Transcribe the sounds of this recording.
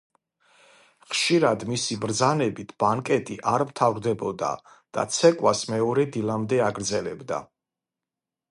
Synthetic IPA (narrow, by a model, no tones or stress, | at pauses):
χʃiɾad̪misibɾd̪zanɛbit̪ʰb̥aŋkʼɛt̪ʼiʔaɾmt̪ʰavɾd̪ɛbɔd̪a̰ | d̪̥a̰t̪sʰɛkʼwasmɛɔɾɛd̪ilˠamd̪ɛaɡɾd̪zɛlɛbd̪a̰